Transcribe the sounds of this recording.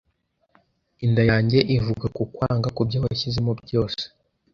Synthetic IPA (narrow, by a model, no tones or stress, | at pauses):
indajaːɲɟe̞ʔivuɡakukwaːŋɡakubɟoβaçizemubɟo̞ːse̥